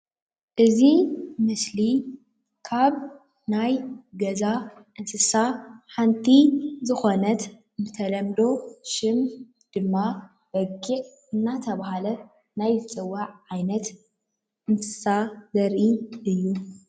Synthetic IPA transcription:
ʔɨzimɨsli | kʰaβ | najɡɐzaʔɨnsɨsaħant̪ʰizɨxo̞nɐt̪ | mɨt̪ʰɐlɐmd̪o̞ʃɪm | d̪̥ɨmːa | bɐɡiʕ | ɨnːat̪ʰɐβahalɐ | najzɨt͡sʼɨwːaʕːajnɐt̪ | ʔɨnt̪ʰɨ̥sazɐɾʔiʔɨjːu

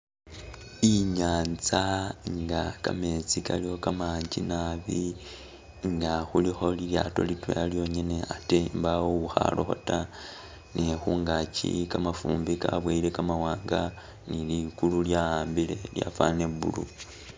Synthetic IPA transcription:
iɲaːnt͡saŋɡakame̞t͡sikʰaliokamaːɲd͡ʒinaβi | ŋɡaxulixo̞lilja̰ːto̞̰litwḛaljo̞ɲene̞atembawouxa̰loxo̞̰ta | nexuːŋɡacḭkamafuːmbikaβweile̞kamawaːŋɡa | nilikululjahaːmbile̞lja̰fane̞βṵlu

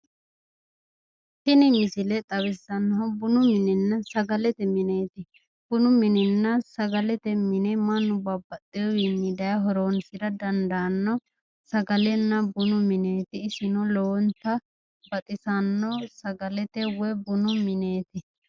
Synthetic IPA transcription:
sɪnɪmɪsɪlɛt̪ʼɐwɪsːɐnːɐɦɔbʊnʊmɪnɪnːɐsɐɡɐlɛt̪ɛmɪneːt̪ɪ | b̥ʊnʊmɪnɪnːɐsɐɡɐlɛt̪ɛmɪnɛmɐnːʊbɐbːɐt̪ʼːɪjɔwinːɪd̪ɐjɐɦɔɾoːnsɪɾɐd̪ɐnd̪ɐːnːɔ | sɐɡɐlɛnːɐbʊnʊmɪneːt̪ɪːsɪnɔloːnt̪ɐ | bɐt̪ʼɪsɐnːɔsɐɡɐlɛt̪ɛwɛbʊnʊmɪneːt̪ɪ

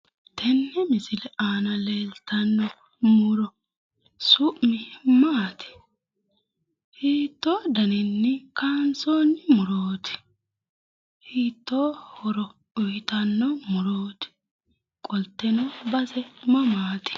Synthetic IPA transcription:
t̪ʰɛnːɛmɪsɪlɛʔaːnɐleːlt̪ɐnːɔ | mʊɾɔ | sʊʔmɪmaːt̪ɪ̥ | hiːt̪ːo̞ːd̪ɐnɪnːɪkaːnsoːnːɪmʊɾo̞ːt̪ɪ̥ | hiːt̪ːoːhɔɾɔ | ʊjt̪ɐnːɔmʊɾoːt̪ɪ̥ | kʼɔlt̪ːɛnɔbɐsɛmɐmaːt̪ɪ̥

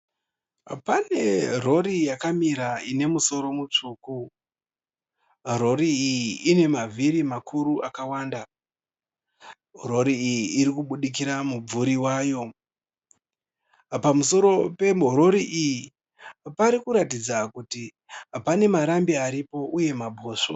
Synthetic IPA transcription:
pane̞ro̞ɾijakamiɾaine̞muso̞ɾo̞mut͡ʂuːku | ro̞ɾiːjiːne̞maviɾimakʰuɾuʔakawaːnda | ɦoɾo̞ɾiːjiːɾikuɓuɗik̬iɾamub͡vuɾiwaːjo̞ | pamuso̞ɾo̞pe̞mɦoɾo̞ɾiʔiji | paɾikuɾatid͡zakuti | pane̞maɾambiaɾipo̞ʔuje̞mabʱo̞ːʂo̰

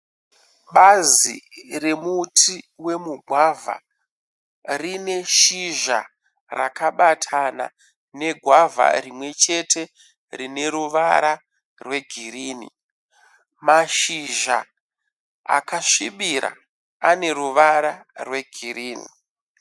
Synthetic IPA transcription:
ɓazḭre̞mutʰi | we̞muɡʱwavʱa̰ | rine̞ʃiʒa̰ | ra̰kaɓatʰana̰ | ne̞ɡʱwavʱa̰rimwe̞t͡ʃe̞tʰe̞ | rine̞ɾuʋaɾa | rwe̞ɡʱiriːnḭ | maʃiʒa̰ | a̰kaʃiɓiɾa̰ | ane̞ɾuʋaɾarwe̞ɡʱiriːnḭ

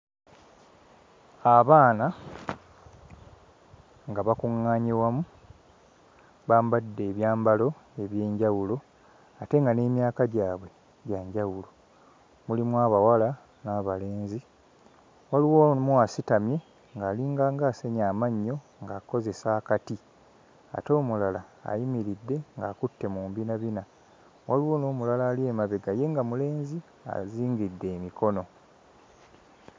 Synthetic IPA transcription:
aβaːna | ŋɡaβakuŋːaːɲewamu | βaːmbadːe̞ːβjaːmbalo̞e̞βje̞ːɲɟawulo̞ | ate̞ŋɡane̞ːmjaːkaɟaːβwe̞ | ɟaːɲɟawulo̞ | mulimwaβawala | naːβale̞ːnzi | waliwomwasitamje̞ | ŋɡaːliːŋɡaːŋɡaːseɲaːmaɲːo̞ | ŋɡaːko̞ze̞saːkati | a̰to̞ːmulala̰ːjimiɾidːe̞ŋɡa̰ːkutːe̞muːmbinaβina | waliwo̞ːno̞ːmulalaːlie̞maβeɡaje̞ŋɡamule̞ːnzi | a̰ziːŋɡidːe̞ːmiko̞no̞

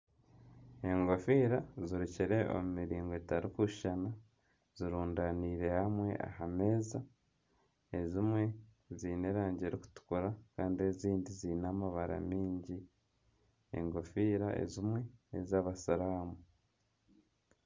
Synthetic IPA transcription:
e̞ŋɡo̞fiːɾaziɾiciɾe̞o̰mumiɾiːŋɡoetaɾukuʃʃana | z̥iɾuːndaniːɾe̞hamwe̞̰ʔa̰hame̞ːza | e̞zimwe̞ | ziːne̞ɾaːɲɟe̞ɾiku̥tu̥kuɾakaːndie̞ziːndiziːnaːmaβaɾa̰miːɲɟi | ḛŋɡo̞fiːɾaḛzimwe̞ḛzaβasaɾaːmu

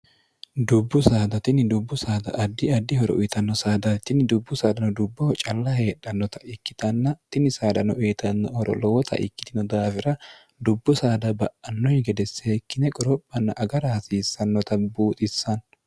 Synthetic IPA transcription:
d̪ʊbːʊsaːd̪ɐt̪ɪnɪd̪ʊbːʊsaːd̪ɐ̰ʔɐd̪ːɪɐd̪ːɪhɔɾɔ̰ʔʊjt̪ɐnːɔsaːd̪ɐt̪ɪnɪd̪ʊbːʊsaːd̪ɐnɔd̪ʊbːɔt͡ʃʼɐlːɐheːɗɐnːɔt̪ɐ̥ʔɪkːɪ̥t̪ɐnːɐt̪ɪnɪsaːd̪ɐnɔʔeːt̪ʰɐnːɔhɔɾɔ̰lɔwɔt̪ʰɐ̰ʔɪ̰kːɪ̥t̪ɪnɔd̪aːfɪɾɐ | d̪ʊbːʊsaːd̪ɐbɐʔɐnːɔjɪɡɛd̪ɛsːeːkːɪnɛkʼɔɾɔpʼːɐnːɐʔɐɡɐɾɐhɐsiːsːɐnːɔt̪ɐbuːt̪ʼɪsːɐn

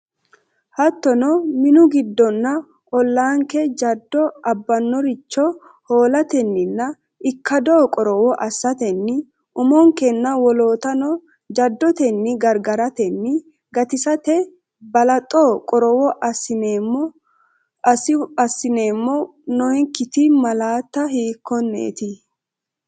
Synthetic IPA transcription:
hɐt̪ːɔnɔmɪnʊɡɪd̪ːɔnːɐ | ʔɔlːaːŋkɛd͡ʒɐd̪ːɔʔɐbːɐnːɔɾɪt͡ʃːɔ | ho̞ːlɐt̪ɛnːɪnːɐ | ʔɪkːɐd̪oːkʼɔɾɔwɔʔɐsːɐt̪ɛnːɪ | ʔʊmɔŋkɛnːɐwɔloːt̪ɐnɔ | d͡ʒɐd̪ːɔt̪ɛnːɪɡɐɾɡɐɾɐt̪ɛnːɪ | ɡɐt̪ɪsɐt̪ɛ | bɐlɐt̪ʼːɔːkʼɔɾɔwɔʔɐɪnːɔ | ɐsːɪne̞ːmːɔ | nɔjŋkɪt̪ɪmɐlaːt̪ːɐɦiːkʰːɔnːḛːt̪ɪ

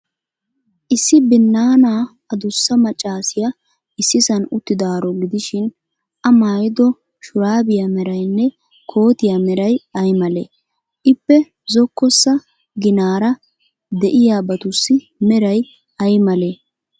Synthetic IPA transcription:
ʔɪsːɪbɪnːaːnaː | ɐd̪ʊsːɐmɐt͡ʃʼːaːsɪjɐ | ɪsːɪsɐnʊt̪ːɪd̪aːɾɔɡɪd̪ɪʃɪn | ʔɐmaːjɪd̪ɔ | ʃʊɾaːbɪjamɛɾɐjnːɛ | kʰo̞ːt̪ɪjamɛɾɐjɐjmɐlḛː | ʔɪpːɛ | zɔkːɔsːɐ | ɡɪnaːɾɐ | d̪ɛʔɪjaːbɐt̪ʊsːɪ | mɛɾɐj | ɐjmɐleː

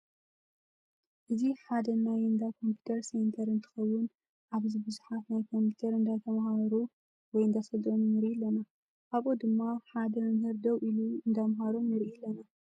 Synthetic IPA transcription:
ʔɨziħad̪ɐnajɨnd̪akʰo̞mpju̥t̪ʰɐɾsent̪ʰɐɾɨnt̪ʰɨ̥xɐwːʊn | ʔaβzibɨzuħat̪najkʰo̞mpʰu̥t̪ʰɐɾɨnd̪at̪ʰɐmahaβɐɾu | wɔjɨnd̪asɐlt̪ʼonunɨɾʔiɛlːɐna | ʔaβod̪ɨmːaħad̪ɐmɐmhɨɾd̪ɐwʔiluɨnd̪amɦaɾunɨɾʔijɪlːɐna

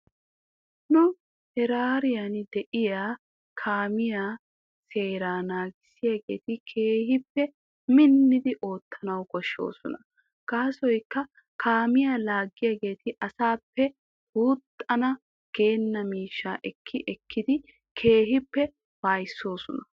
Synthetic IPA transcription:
nʊ | hɛɾaːɾɪjɐnd̪ɛʔɪjaː | kʰaːmɪjaː | se̞ːɾaːnaːɡɪsɪjaɡe̞̰ːt̪ɪkʰe̞ːhɪpːɛ | mɪnːɪd̪ɪʔo̞ːt̪ʰːɐnɐwkɔʃːo̞̰ːsɔnɐ | ɡ̥aːsɔjkːɐ | kʰaːmɪjaːlaːɡːɪjaːɡe̞ːt̪ʰɪʔɐsaːpːɛ | huːt̪ʼːɐnɐ | ɡ̥e̞ːnːɐmiːʃːa̰ːʔɛkʰːɪʔɛkʰːɪd̪ɪ | kʰe̞ːɦɪpːɛ | baːjsːo̞ːsɔnɐ

